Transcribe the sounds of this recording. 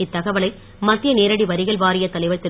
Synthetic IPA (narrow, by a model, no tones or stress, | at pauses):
ɪt̪ːɐɣɐʋɐɭɐɪ | mɐt̪ːrɪjɐneːɾɐɽiʋɐɾɪɣɐɭʋaːɾɪjɐt̪ːɐlɐɪʋɐt̪ːɪ